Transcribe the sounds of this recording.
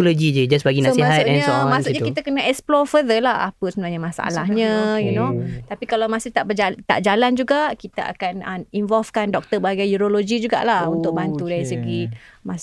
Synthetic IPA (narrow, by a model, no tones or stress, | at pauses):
loɡid͡ʒəd͡ʒasbaɡinasmiɦast̪ɛnɲmasuʔʔɲakit̪akənaʔɛksplɔfəðəlaha̰pəsəbənaɲamãsaa̰lahɲə̃junot̪apikalawmasɪht̪aʔbəd͡ʒat̪a̰ʔd͡ʒaland͡ʒuɡaʔkit̪aʔa̰kanəmiɱvɔlfkandɔk̚t̪əbaɡajuɾoloɡid͡ʒuɡa̰ʔlahunt̪ʊk̚bant̪udaɾisəɡi | mas